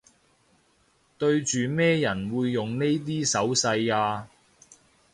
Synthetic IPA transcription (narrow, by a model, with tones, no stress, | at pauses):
t̪ɵ˧ɥt͡ʃyː˨mɛː˥jɐ˨˩nwuː˨˧jːʊ˨ŋne˥jt̪̬iː˥sɐ˨˥wsɐ˧jaː˧